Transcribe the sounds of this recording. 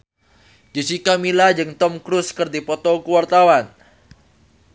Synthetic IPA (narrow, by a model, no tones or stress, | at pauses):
d͡ʒusikamilad͡ʒɨŋt̪ɔmkɾʊskɨrdipɔt̪ɔkuwart̪awan